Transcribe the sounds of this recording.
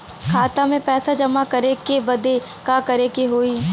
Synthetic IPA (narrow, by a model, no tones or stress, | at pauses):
kʰaːt̪amẽpɛːsad͡ʒɐmakɐɾekebɐd̪e | kakɐɾekeɦoːiː